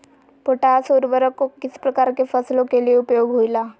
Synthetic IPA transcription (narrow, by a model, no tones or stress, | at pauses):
poʈaːsuɾʋəɾəkːokɪspɾɐkaːɾkefəslõkelieʊpjoːɡɦoilaː